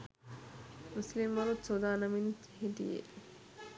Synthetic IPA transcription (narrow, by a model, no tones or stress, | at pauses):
muslimʋɐlut̪sod̪aːnɐmin | ɦiʈ̪ḭjḛ